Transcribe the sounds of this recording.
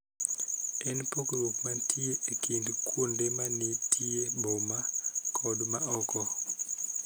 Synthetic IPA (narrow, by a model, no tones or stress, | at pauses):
ɛnpokɾokmatʰieekindkwondemanitiebomakʰɔdmaɔkɔ